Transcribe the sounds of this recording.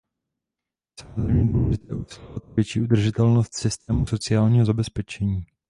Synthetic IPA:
samozɾejmɲɛdulɛʒɪt̪ɛ̰ːʔusilat̪̚vjɛt͡ʃiːʔud̪r̩ʒɪt̪ɛlnost̪sɪst̪ɛːmuso̞t͡sɪaːlɲiːɦozabɛspɛt͡ʃɛɲiː

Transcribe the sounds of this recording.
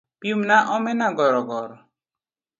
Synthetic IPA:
pimnaʔɔmɛnaɡɔɾɔɡɔɾɔ

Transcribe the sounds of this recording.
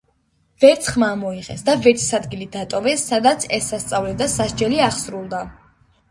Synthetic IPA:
vɛɾt̪sʰχmamɔiqʼɛ̰sd̪avɛɾt̪ʰi̥sad̪ɡilid̪at̪ʼɔvɛsːad̪at̪sʰɛsːast̪sʼavlɛd̪asaʃd͡ʒɛliaχsɾulˠd̪a

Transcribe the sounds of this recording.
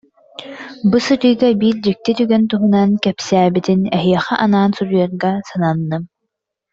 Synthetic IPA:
busɯɾɯjɡabiɾd͡ʑik̚t̪it̪yɡɛnt̪uɦunankɛpsæːbit̪inɛɦiɛχɛʔanaːnsuɾujɔɾɡasananːɯm

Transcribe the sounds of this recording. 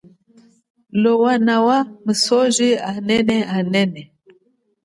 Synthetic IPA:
lɔwanawaməsɔʒianɛnɛanɛnɛ

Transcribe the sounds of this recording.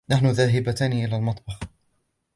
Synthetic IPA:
naħnʊðaːɦɪbat̪aːnʔɪlaːlmɑt̪ˤbɑx

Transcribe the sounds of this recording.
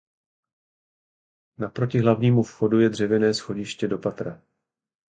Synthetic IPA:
napɾo̞cɪɦlavɲiːmufxo̞dujɛdr̝ɛvɛnɛːsxo̞ɟɪʃcɛdo̞pat̪ɾa

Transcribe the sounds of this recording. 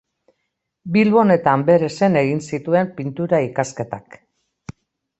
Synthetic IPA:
bilβo̞ne̞t̪ambe̞ɾe̞se̞ne̞ɣinsit̪ue̞mpint̪uɾaikaske̞t̪ak

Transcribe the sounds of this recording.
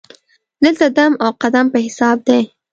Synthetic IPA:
d̪əlt̪ad̪amawqad̪ampəhɪsɑb̚d̪e

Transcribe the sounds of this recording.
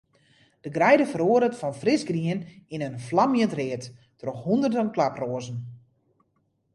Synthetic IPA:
d̥əɡrɛjdəfəɾoəɾətfɔnfrɪsɡriənɪnənflamjəntrɪətː | roxhundərdənklaproəzən̩

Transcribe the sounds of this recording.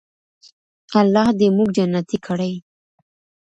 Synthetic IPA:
alːɑhd̪emuɡ̚d͡ʒanːat̪ikʰəɽaj

